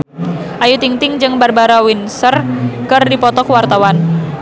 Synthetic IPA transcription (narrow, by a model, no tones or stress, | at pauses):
ʔajut̪iŋt̪ɪŋd͡ʒɨŋbarbaɾawinsərkɨrdipɔt̪ɔkwart̪awan